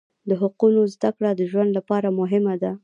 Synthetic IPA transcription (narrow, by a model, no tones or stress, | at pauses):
d̪əɦʊqunozd̪akɽad̪əʒwand̪lapɑɾamʊɦɪmad̪a